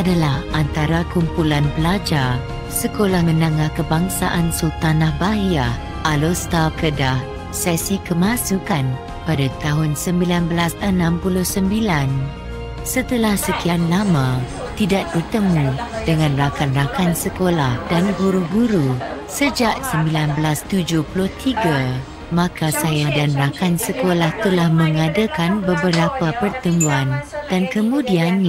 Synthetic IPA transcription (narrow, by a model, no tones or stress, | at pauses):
adalahant̪aɾakumpulanpəlad͡ʒa | səkolahmə̃naŋahkəbaŋsaʔansot̪anahbaɦia | ʔalost̪akədah | sɛsikəmãsukan | padat̪aɦʊnsəmbilanbəlasənãmpulʊhsəmbilan | sət̪əlahsəkianlamã | t̪idaʔ̚bərt̪əmũdəŋãnrakanrakansəkolahdanɡuɾuɡuɾusəd͡ʒaʔsəmbilanblast̪ud͡ʒʊhpulʊht̪iɡa | mãkasajadanrakansəkolaht̪əlahmə̃ŋadakanbəbəɾapapərt̪əmũandankəmũdianː